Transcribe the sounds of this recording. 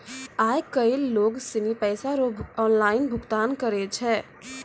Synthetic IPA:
ajkəilːoɡsinipəjsaɾobʱɔnlaɪnbʱʊkt̪ankəɾɛt͡ʃʰɛ

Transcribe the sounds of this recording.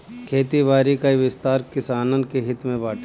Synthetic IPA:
kʰeːt̪iʋaːɾikaiʋɪst̪aːɾkɪsaːnənkeɦɪt̪mẽbaːʈʰ

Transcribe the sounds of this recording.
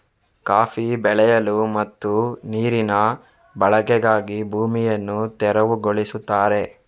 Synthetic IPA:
kaːfibɛɭɛjɐlumɐt̪ːuniːɾinɐ | bɐɭɐkɛɡaːɡibʱuːmijɐnːut̪ɛɾɐʋuɡoɭisut̪ːaːɾe̞

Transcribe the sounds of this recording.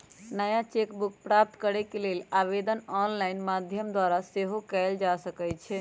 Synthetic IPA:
nəjat͡ʃekbuk̚pɾap̚t̪kəɾɛkelelaβed̪ənɔnlainmad̪ʱjəmd̪waɾaseɦokɛld͡ʒasəkɛt͡ʃʰɛ

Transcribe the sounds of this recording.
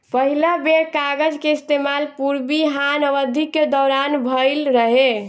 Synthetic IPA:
pəɦilabeɽkaɡəd͡ʒkeist̪emalpuɾbiɦanəʋəd̪ʱikːed̪ɔːɾanbʱəɪlɾəɦe

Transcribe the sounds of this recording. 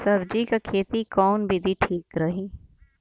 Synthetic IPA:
sɐbd͡ʒikakʰeːt̪ikɔːnbʱid̪ʱiʈʰiːkɾɐɦiː

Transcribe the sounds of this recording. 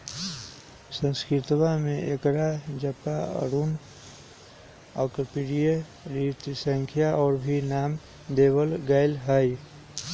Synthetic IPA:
sə̃nskɪt̪wamẽʔekɾad͡ʒəpaə̰ɾuːn | ɔːkəpiɾije | ɾit̪sə̃ŋkʰjaʔɔːɾbʱinaːm | d̪eːbəlɡaːɪlɦaj

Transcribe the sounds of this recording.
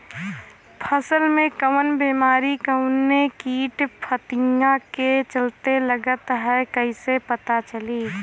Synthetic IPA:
pʰəsəlmẽkəwənbeːmaːɾikəʊnːekiːʈpʰət̪ɪ̃ŋɡaket͡ʃəlt̪eləɡət̪ɦɛkəisepət̪at͡ʃəliː

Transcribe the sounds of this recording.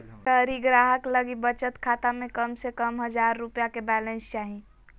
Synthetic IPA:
t̪əɾiɡɾaɦəkləɡibət͡ʃət̪kʰat̪amekəmsekəmɦəd͡ʒaɾːupjakebɛlenst͡ʃaɦi

